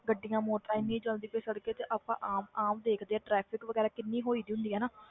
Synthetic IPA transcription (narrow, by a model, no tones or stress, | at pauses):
ɡəɖːijãːmoːʈːaːinĩːd͡ʒəld̪iːpeːsəɽkeːt̪eːʔaːpãːʔaːmaːmd̪eːkʰd̪eːɛːʈɾɛːpʰɪkʋəɡɛːɾaːkɪnːiːɦoːiːd̪iːɦʊ̃nd̪iːɦɛːnaː